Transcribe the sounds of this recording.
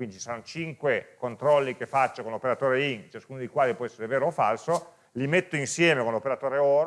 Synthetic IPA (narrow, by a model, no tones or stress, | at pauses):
kwind̪it͡ʃi̥saanːot͡ʃiŋkwekont̪ɾɔlːikefːat͡ʃːokonlopeɾat̪oːɾeiŋt͡ʃaskuːnod̪ejkwaːlipwɔɛsːeɾeveːɾoːfalso | limet̪ːoinsjɛːmekonlopeɾat̪oːɾeɔːɾ